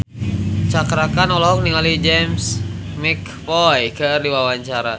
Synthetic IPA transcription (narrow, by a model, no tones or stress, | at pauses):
t͡ʃakɾakanɔlɔk̚niŋalid͡ʒɛmsmik | pɔjkərdiwawaɲt͡ʃaɾa